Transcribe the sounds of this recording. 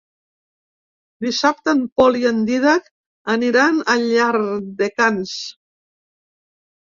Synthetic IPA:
d̪isap̚t̪əmpɔliənd̪iðak | əniɾanəʎaɾd̪ekans

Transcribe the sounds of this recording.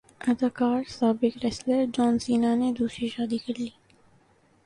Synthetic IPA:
ɐd̪aːkaːɾsaːbɪkɾɛsləɾd͡ʒɔːnsiːnaned̪uːsɾiʃaːd̪ikɐɾliː

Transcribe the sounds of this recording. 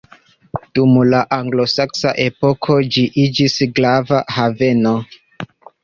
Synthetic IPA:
d̥umlaʔaŋɡlo̞saksa̰ʔe̞po̞kʰo̞d͡ʒiʔid͡ʒisɡlavahave̞no̞

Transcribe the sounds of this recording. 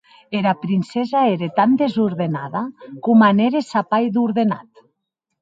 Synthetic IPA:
eɾapɾinsezaeɾet̪and̪ezuɾðenaðakumaneɾesapajðuɾðena̰t̪

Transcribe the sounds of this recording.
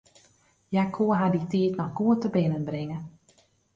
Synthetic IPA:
jakʰoəɦaditiːtnɔxɡuətəbɪnənbrɪŋə

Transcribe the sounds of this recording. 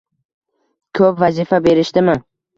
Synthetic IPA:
kʰɵpvazifabe̞ɾɪʃt̪ɪmɪ

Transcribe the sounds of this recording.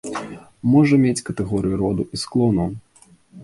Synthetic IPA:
mɔʐɐmʲet͡sʲkɐt̪ɛɣɔɾɨjuɾɔd̪uʔisklˠɔnu

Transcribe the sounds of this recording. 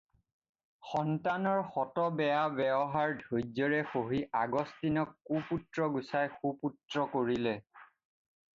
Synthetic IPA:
xɔntanɔɹxɔtɔbɛjabɛbɔɦaɹdʱojzɔɹɛxoɦiʔaɡɔstinɔkːuputɹɔɡusajxuputɹɔkoɹilɛ

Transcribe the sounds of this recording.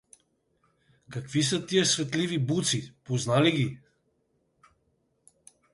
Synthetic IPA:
kakvisət̪ijəsvɛt̪livibut̪sipoznaliɡʲi

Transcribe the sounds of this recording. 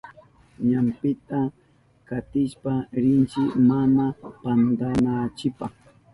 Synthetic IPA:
ɲampɪt̪a | kat̪ɪʃpaɾɪnt͡ʃɪmanapand̪anat͡ʃɪpaχ

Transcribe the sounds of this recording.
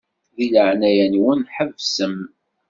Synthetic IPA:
ðiləʕnæjænwənħəvsəm

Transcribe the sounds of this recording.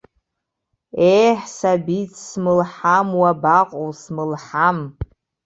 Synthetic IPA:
ejħsabit͡sʰsmɨlħamwabaqʼowsmɨlħam

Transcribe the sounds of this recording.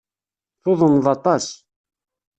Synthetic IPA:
θʊðˤənðˤɑt̪ˤɑs

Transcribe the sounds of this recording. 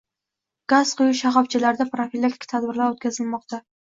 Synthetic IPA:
ɡ̥az̥qʰʊjʊʃaχɒft͡ʃʰɪlaɾd̪apɾofilʲːakʲt̪ɪ̥kʲt̪ʰad̪bɪɾlaɾot̪̚kʲʰazɪlmɒq̚t̪ʰa

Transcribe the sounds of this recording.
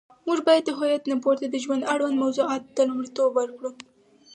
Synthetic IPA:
muʒbɑjad̪ːəɦɑjat̪napoɾt̪ad̪əʒwand̪aɽwand̪mawzuɑt̪̚d̪̥əlumɽit̪obwəɾkɽu

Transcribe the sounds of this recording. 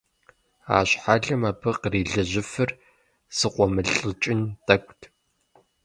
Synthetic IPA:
a̰ːɕħaɮɨmaːpʰɨqriːɮɨʑɪfɨr | sɨqʷʼɔmɨɮʼɨt͡ʃʼɪntʰɐkʷʼtʰ

